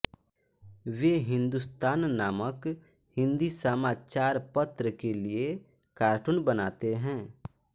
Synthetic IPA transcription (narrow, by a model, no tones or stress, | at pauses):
ʋeːɦɪ̃nd̪ʊst̪aːnːaːmək | hɪ̃nd̪isəmaːt͡ʃaːɾpət̪ɾəkelie | kaːɾʈʊnbənaːt̪eɦɛ̃ː